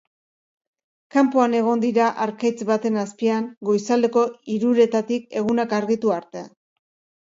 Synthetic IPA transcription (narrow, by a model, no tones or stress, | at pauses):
kampoane̞ɣ̞o̞nd̪iɾaʔaɾkajt͡sβat̪e̞naspiaŋɡo̞jsald̪e̞ko̞iɾuɾe̞t̪at̪ik̚e̞ɣunakaɾɣit̪uaɾt̪e